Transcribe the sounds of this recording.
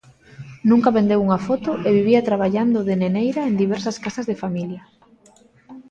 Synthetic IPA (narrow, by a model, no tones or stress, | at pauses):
nũŋkɐβend̪ewuŋafɔt̪ʊʔeβiβiat̪ɾaβ̞aʎand̪ʊðenenejɾaend̪iβ̞ɛɾsɐskasɐzðefamiljɐ